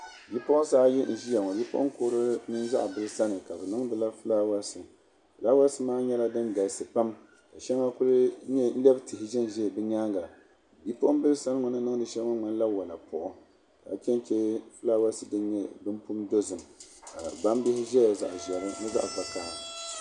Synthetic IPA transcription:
ji˦pʊ˦ʔʊ˦saː˦ji˦n̩˨ʒi˦ja˨ŋɔ˨ji˦po̰˦ʔʊ̰˦ŋ˦ko˦ɾɨ˦nɨ˦nza̰˦ʔbɨ˦lɨ˦sa˦nɨ˨ka˨bɛ˨nɨ˦ŋ˦dɨ˨la˦fɨ˦laː˦wa˦sɨ˨ | fɨ˨laː˦wa˦sɨ˦maː˦ɲɛ˦la˦dɨ˦nɡa˨sɨ˨pa˦m | ka˨ʃɛ˦ŋa˦kʊ˦ɾɨ˦ɲɛ˦n̩˦lɛ˦btɨ˨hɪ˨ʒɛ˦n˨ʒɛ˦˨bɨ˦ɲaː˦ŋɡa˨ | bi˦pʊ˦ʔʊ˦bɨ˦lsa˦n˦ŋɔ˨nɨ˦nɨ˦ŋ˦dɨ˨ʃɛ˦ŋɔ˦ma˦n˦la˦wa˨la˨pʊ˨ʔʊ˦ | da̰˨t͡ʃɛ˦n˦t͡ʃɛ˦fɨ˦laː˦wa˦sɨ˨dɨ˦n˦ɲɛ˦bɨ˦mpu˦mdo˦zɨ˨mka˨ba˦m˦bɪ˦hɪ˦ʒɛ˦ja˨za̰˨ʔʒɛ˨ɾɨ˦nɨ˦za̰˦ʔba˨kaː˦˨

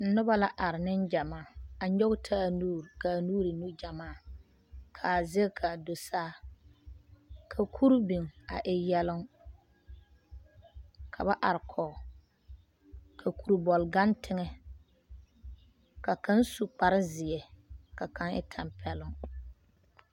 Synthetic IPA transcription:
n̩˦nʊ˦ba˦la˦ʔa˨ɾɪ˨nɪ˦nd͡ʒa˨maː˦˨a˨ɲɔ˦ɣʊ˦tʰa˦˨nuː˦ɾka˨nuː˦ɾɪ˨nu˦d͡ʒa˨maː˦˨ | kʰa˨zɪ˦kʰa˨do˨saː˦ | kʰa˨kʰu˦ɾbi˨ŋa̰˨ʔɪ˨jɛ˦lʊ˦ŋ | kʰa˨ba˦ʔa˨ɾɪ˨kʰɔː˨ | kʰa˨kʰu˨ɾbɔ˨lɡa˦ntʰɪ˦ŋɛ˦ | ka˨ka˦nsu˨k͡pa˨ɾɪ˦zɪ˨jɛ˨ka˨ka˦ŋɪ̰˦tʰa˨mpʰɛ˦lʊ˦ŋ

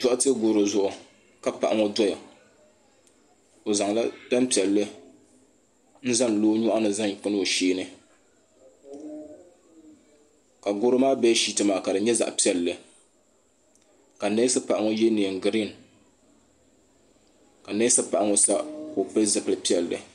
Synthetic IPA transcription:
tʊ˦ʔa˦tɨ˦ɡʊː˦ɾo˨zʊ˦ʔʊ˨ | ka˨pa̰˨ʔa˨ŋɔ˦dɔ˦ja˨ | o˨za˨ŋla˦da˦mpi˨ɛ˨lːɨ˦ | n̩˦za˦n˨loː˦ɲʊ˦ʔa˦nɨ˨za˦ŋ˨k͡pɨ˦n˦o˨ʃeː˦nɨ˦ | ka˨ɡʊ˦ɾɨ˦maː˦bɛ˦ʃi˦tɨ˨maː˨ka˨dɨ˨ɲɛ˦za̰˨ʔpi˦ɛ˨lːɨ˨ | ka˨ne˦sɨ˦pa˨ʔa˨ŋo˦jɛ˦ni˨ɡɨ˨ɾi˦˨n | ka˨ne˦sɨ˦pa˨ʔa˦ŋo˦sa˦ko˨pɛ˦zɨ˨pɨ˨lɨ˨pi˦ɛ˨lːɨ̰˨

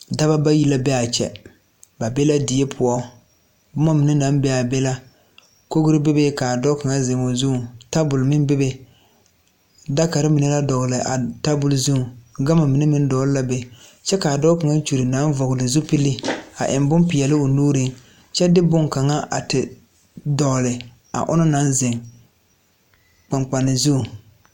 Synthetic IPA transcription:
da˦βa˦ba˦ji˦la˦bɛ˦a˨t͡ʃɛ̰˨ | ba˨be˦la˦dɪ˨jɛ˦pʰʊ˨ɔ˦ | bʊ˦ma˦mi˨nɪ˦na˨˦mbɛ˦a˨bɛ˦la˦ | ko˦ɡʊ˦ɾɨ˦be˦be˦ka˨a˨dɔ˦ka˨ŋa˦zɪ˨mo˨zu˦˨ta˦bʊ˨lmɪ˦nbɪ˦be˦ | da˦ka˨ɾɪ˦mi˨nɨ˦la˦dɔ˨ɣlɪ˨ʔa̰˨ta˦bʊ˨lzu˦˨ɡa˦ma˨mi˨ne˦mɪ˦n˦dɔ˨˦lla˦be˦t͡ʃɛ˦ka˨a˨dɔ˦ka˨ŋa˦t͡ʃu˨ɾɪ˨na˨˦n˦vɔ˨ɡlɪ˨zu˦pi˦lɪ˦a̰˨ʔɪ˨mbʊ˦mpɪ˨jɛ˨lɪ˦ʊ˨nuː˦ɾi˦ŋ | t͡ʃɛ˦dɪ˦bʊ˦ŋka˨ŋa˦ʔa̰˨tɪ˨ | dɔ˨ɣlɪ˨ | a̰˨ʔʊ̰˦nʊ˦na˨˦nzɪ˨ŋ | k͡pa˨ŋ͡mk͡pa˨nɪ˨zu˦˨

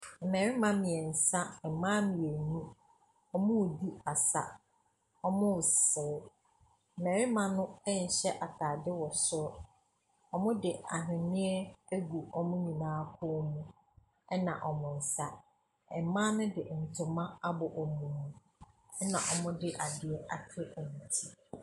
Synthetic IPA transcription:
m̩˨mɛ˨ɾɪ˦mã˦mɪ̃˨ɛ˨n̩˨sa˦ɛ˨mãː˦mɪ̃˨ɛ˨nũ˦ | ɔ˦mʊ̃˦wdi˦a˨sa̰˦ | ɔ˦mʊ̃˦ʊ˨sɪ˨ɾɪ˦ | m̩˨mɛ˨ɾɪ˦mã˨nʊ̃˦ɛ˦ɲ̩˨ɕɛ˦ʔa˨tʰaː˨dɪ˦wɔ˨sʊ˦ɾʊ˦ | ɔ˨mʊ̃˦dɪ˨a˨ɦɪ̃˨nɪ̃˦ɛ˦æ˦ɡu˨ɔ˦mʊ̃˦ɲĩ˨nãː˦kʰʊ˦mũ˦ | ɛ˦nã̰˨ʔɔ˨mʊ̃˨n̩˨sa˦ | ɛ˨mã˦nʊ̃˦dɪ˨n̩˨tʰʊ˨mã˦a˦bɔ˨ʔɔ˨mũ˨nũ˦ | ɛ˦nã̰˨ʔɔ˨mʊ̃˦dɪ˦ʔa˨dɪ˨ɛ˨ʔa̰˨tʰɪ˦ʔɔ˨mũ˨tʰi˦

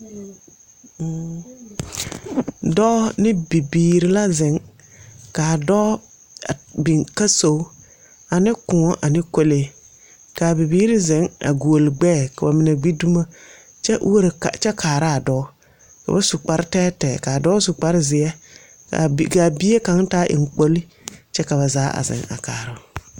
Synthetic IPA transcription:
dɔ˦nɪ˦bi˨biː˨ɾi˨la˦zɪ˨˦ŋ | ka˨dɔː˦ | a˨bi˨ŋka˦so˨u˦ | a˨nɪ˦kʊ̃˨˦ʔa˨nɪ˦ko˦le˦ | ka˨bi˨biː˦ɾi˦zɪ˨˦ŋa̰˨ɡu˨o˨lɡ͡bɛː˦˨ka˨ba˨mɪ˨na˨ɡ͡bi˦du˦ma˦ | t͡ʃɛ˦ʔwo˦ɾ̰t͡ʃɛ˦kʰaː˨ɾa˦a˨dɔ˦ | ka̰˨ba˦sʊ˨k͡pa˨˦ɾtɛː˦tɛ˨ka˨dɔ˦sʊ˨k͡pa˦ɾɪ˦zɪ˨ɛ˦ | a˨ka˨bi˦e˦ka˨˦ŋtaː˦ʔɪ̰˨ŋ˨k͡po˦li˦ | t͡ʃɛ˦ka˨βa˨zaː˨˦ʔa̰˨zɪ̰˨ŋa̰˨ka̰ː˨ɾʊ˦

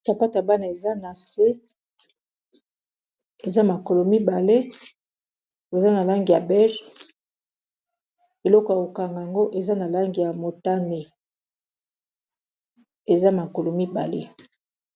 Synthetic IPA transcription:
sa˨pa˦ta˨ba˦na˨e˨za˦na˨se˦ | e˨za˦ma˨ko˨lo˨mi˦ba˨le˦ | e˨za˦na˨la˦ŋɡi˨ja˨bɛ˦ʒ | e˨lɔ˦ko˨ja˨ko˨ka˨ŋɡa˨a˨ŋɡo˦ʔe˨za˦na˨la˦ŋɡi˨ja˨mo˨ta˦ne˨ | e˨za˦ma˨ko˨lo˨mi˦ba˨lḛ˦

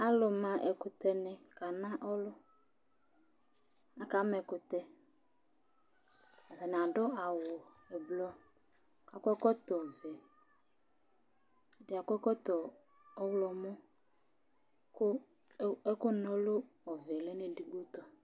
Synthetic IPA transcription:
a˦lʊ˨mã˨ʔɛ˨kʊ˨t̪ɛ˨nɪ˨ka˨nã˦ʔɔ˦lʊ˦ | a˨ka˨˦mɛ˨kʊ˨t̪ɛ˨ | a˨ta˨nɪ˨a˨dʊ˦a˨wʊ˨ | ɛ˨blɔ˦ | ka˨kʊ˦ɛ˦kɔ˦t̪ɔ˨vɛ˨ | dɪ˨a˨kʊ˦ɛ˦kɔ˦t̪ɔ˨ | ɔ˦wlɔ˨mʊ˦ | kʊ˦ | ɛ˦kʊ˦nɔ˦lʊ˦ɔ˨vɛ˨lɛ˦nɪ˦di˨ɡo˦t̪ɔ˨

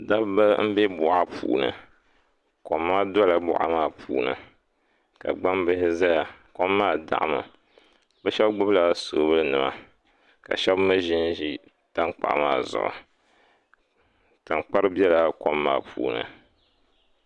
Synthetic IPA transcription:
da˦bba˦m̩˦bɛ˦bʊ˨ʔa˦pʰuː˨nɨ̰˨ | ko˨mːaː˦dɔ˦la˨bʊ̰˨ʔa̰˨maː˦˨pʰuː˨nɨ̰˨ | ka̰˨ɡ͡ba˦mbɨ˦hɪ˦za˦ja˨kɔ˦mːaː˦˨da̰˨ʔa˦mɨ˨ | bɛ˦ʃɛ˦bɡ͡bʊ˦bla˨so˨˦bɨ˦lɨ˦nɨ˨ma̰˦ | ka̰˨ʃɛ˦bmɨ˦ʒi˦n˦ʒi˦ | ta˦ŋk͡pa̰˨ʔmaː˦˨zʊ̰˨ʔʊ̰˨ | ta˨ŋk͡pa˦ɾɨ˦bjɛ˦la˨kɔ˦mːa̰ː˦˨pʰuː˨nɨ̰˨

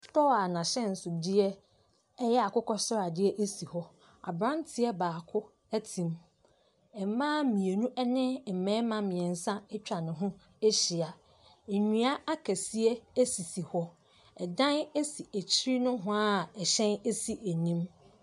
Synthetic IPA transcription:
tɔ˦a˨nã˨ɕɛ̃˦n̩˨sʊ˨dɪ˦ɛ˦ | ɛ˦jɛ˦a˨kʊ˦kʰɔ˦sʊ˦ɾa˨dɪ˦ɛ˦ʔe˦si˨hɔ˦ | a̰˨bɾã˦ntʰɪ˦ɛ˦baː˨kʰʊ˦ | æ˦tʰĩ˨m | ɛ˨m˦mãː˦mĩ˨e˨nũ˦ʔɛ˦nɪ̃˦˨m̩˨mɛ̃˨˦mã˨mɪ̃˨ɛ̃˨n˨sã˦ɛ˦t͡ɕᶣa˨nɪ̃˨ɦʊ̃˦ | e˦ɕɪ˨a˨ | e˨ɲᶣĩ˦a˦a˦kʰæ˨si˦ɛ˦æ˦si˨si˨hɔ˦ | ɛ˨dã˦ne˦si˨æ˨t͡ɕʰi˦ɾi˦nʊ̃˦ɦʊ̃˦a˦˨ɛ˨ɕɛ̃˦ne˦si˦ʔæ˨nĩ˦m

